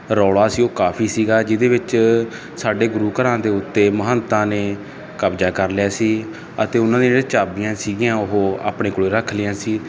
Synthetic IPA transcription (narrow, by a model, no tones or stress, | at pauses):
ɾɔːɽaːsiːoːkaːpʰiːsiːɡaːd͡ʒɪd̪eːʋɪt͡ʃ | saːɖeːɡʊɾuːkəɾãːd̪eːʊt̪ːeːməɦənt̪ãːneː | kəbd͡ʒaːkəɾlɪjaːsiː | ət̪eːʊnãːd̪ĩeɽeːt͡ʃaːbijãːsiːɡɪjãːʊɦoːa̰ːpɳẽːkoɽeːɾəkʰlɪjãːsiː